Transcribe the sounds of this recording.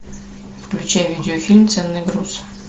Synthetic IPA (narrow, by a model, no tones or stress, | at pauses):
fklʲut͡ɕæjvʲidʲɪofʲilʲmt̪sɛnːɨɡrus